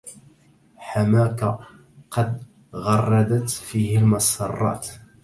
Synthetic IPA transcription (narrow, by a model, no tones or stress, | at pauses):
ħamaːka | qɑd̪ | ɣɑrˤːɑd̪at̪fiːhɪlmɑsɑrˤːɑ̰ːt̪